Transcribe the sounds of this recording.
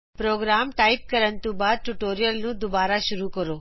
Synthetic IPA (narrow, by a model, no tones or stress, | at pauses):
pɾoːɡɾaːmʈaːip̚kəɾənt̪ũbaːd̪̚ʈuʈoːɾijəlnũːd̪ʊbaːɾaʃʊɾukəɾoː